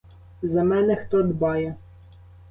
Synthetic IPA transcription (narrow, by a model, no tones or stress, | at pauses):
zɐmɛnɛxt̪ɔd̪bɑjɛ